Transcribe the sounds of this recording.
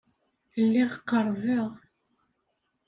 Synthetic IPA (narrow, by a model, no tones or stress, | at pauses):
lːiʁqːəɾˤviʁ